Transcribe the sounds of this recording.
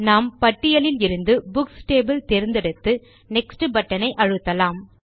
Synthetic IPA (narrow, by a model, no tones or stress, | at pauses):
naːmpɐʈːɪjɐlɪlɪɾɯnd̪ɯbʊksʈeːbɐlt̪ɛɾɪnd̪ɐɽɯt̪ːɯ | nɛksʈɯbɐʈːɐnɐɪʔɐɻɯt̪ːɐlaːm